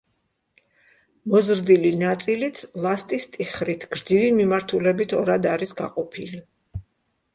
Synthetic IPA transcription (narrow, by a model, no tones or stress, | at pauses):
mɔzɾd̪ilinat̪sʼilit̪sʰlˠast̪ʼist̪ʼiχɾit̪ʰɡ̥ɾd̪zivimimaɾt̪ʰulɛbit̪ʰɔɾad̪aɾisɡa̰qʼɔpʰḭli